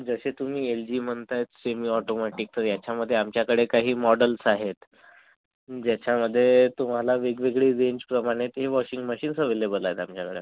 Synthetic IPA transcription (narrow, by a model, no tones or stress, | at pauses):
d͡zəɕet̪um̤iːeld͡ʑiːm̤əɳt̪ajt̪semiːɔʈomaʈik̚t̪əɾjat͡ɕaməd̪ʱːjeamt͡ɕjakəɽekaɦiːmɔɽəlsaɦet̪ | d͡ʑjat͡ɕaməd̪ʱːjet̪um̤alaʋeɡʋeɡɭiːɾeɲd͡ʑpɾəmaɽ̃et̪ɦeʋɔɕiŋɡməɕiːnsəʋelebəlaɦet̪amt͡ɕjakəɽḛ